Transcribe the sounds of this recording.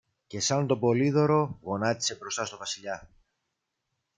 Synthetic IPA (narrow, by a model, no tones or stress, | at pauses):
ce̞sɐnt̪o̞bo̞liðo̞ɾo̞ɣo̞nɐt̪i̥se̞bɾo̞st̪ɐst̪o̞vɐsiʎɐ